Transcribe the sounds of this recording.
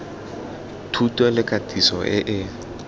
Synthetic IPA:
tʰutʼɔlɪkʼatʼisɔʔɪʔɪ

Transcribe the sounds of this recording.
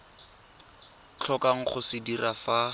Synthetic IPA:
t͡ɬʰɔkaŋ̩χʊsɪdirafa

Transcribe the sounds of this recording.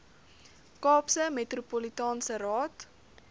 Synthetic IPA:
kɑːpsəmetrupolitɑːnsəɾɑːt

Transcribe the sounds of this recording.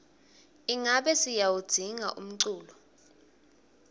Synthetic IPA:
iŋaɓɛsijawud̥ʱiŋa̰ʔum̩ǀuːlɔ

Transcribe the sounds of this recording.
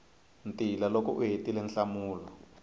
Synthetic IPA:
ntʼilalɔkɔʔuɦetilɛnɬamuːlɔ

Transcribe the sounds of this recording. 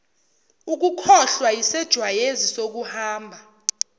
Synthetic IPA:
uk̬ukʰɔɬwajisɛd̥ʒ̥ʱwajezisok̬uhaːmbʱa

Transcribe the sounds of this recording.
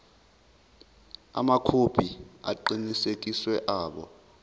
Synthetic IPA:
a̰makʰob̥ʱia̰ǃinisekʼiswɛʔaːɓɔ̰

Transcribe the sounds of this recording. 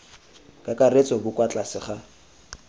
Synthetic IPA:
kʼakʼaret͡sʼɔbʊkʼwat͡ɬʼasɪχa

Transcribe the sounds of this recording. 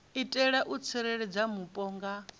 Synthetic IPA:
itʼɛɺaʔut͡sʰiɾɛɺɛd͡zamupʼɔːŋɡa

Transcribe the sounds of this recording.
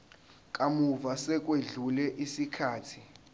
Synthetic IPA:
kʼamuvasɛk̬ʼweɮulɛʔisikʰaːtʰi̥

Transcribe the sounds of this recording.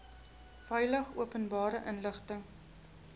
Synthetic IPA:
fɛjləχuəpənbɑːɾəʔənləχtəŋ

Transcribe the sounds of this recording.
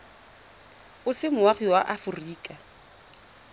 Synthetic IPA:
ʊsɪmʊwaχiwaʔafʊriːkʼa

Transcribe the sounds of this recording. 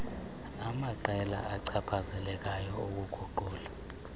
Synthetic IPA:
amaǃɛla̰ʔaǀʰapʰazɛlɛk̬ʼajɔok̬uɡ̥ʱuǃuːla

